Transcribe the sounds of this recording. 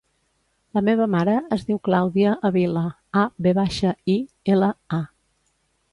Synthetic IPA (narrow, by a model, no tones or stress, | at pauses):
ləmeβ̞əmaɾəːzðiwklawðiəʔəβilə | abeβaʃəi | eləa